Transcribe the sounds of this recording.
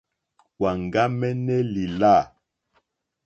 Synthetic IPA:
wa˨ŋ˨ɡa˦mɛ˦nɛ˦li˨la˦˨

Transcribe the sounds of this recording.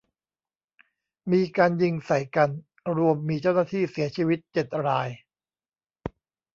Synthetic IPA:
miː˧kaː˧nji˧ŋsa˨˩jka˧n | ɾu˧əmːiː˧t͡ɕa˥˩wnaː˥˩t̪ʰiː˥˩si˨˩˦ɐt͡ɕʰiː˧wi˦˥t̪̚t͡ɕe˨˩t̪̚ɾaː˧j

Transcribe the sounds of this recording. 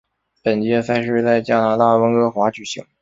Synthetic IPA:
pə˨˩nt͡ɕjɛ˧˥sa˥ɪʂɻ̩˥˧t͡sa˥˩ɪt͡ɕja˥˩na˧˥t̪a˥˩wə˥ŋɤ˧˥xwa˧˥t͡ɕy˨˩ɕḭ˧˥˦ŋ

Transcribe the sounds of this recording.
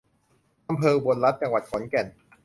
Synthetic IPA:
ʔa˧mpʰɤː˧bo˧nɾa˦˥t̪̚t͡ɕa˧ŋwa˨˩t̪̚kʰɔ˩˦nkɛ˨˩n

